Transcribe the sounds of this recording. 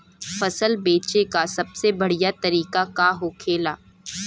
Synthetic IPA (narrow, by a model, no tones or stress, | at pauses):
fɐsəlbeːt͡ʃekasɐbsebɐɽijat̪ɐɾiːkakaɦoːkʰeːlaː